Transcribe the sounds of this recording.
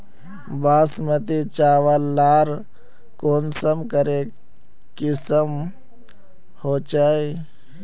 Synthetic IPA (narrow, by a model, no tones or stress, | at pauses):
baːsmət̪it͡ʃaːʋalːaːɾ | koːnsəmkəɾe | kisəm | hoːt͡ʃaːi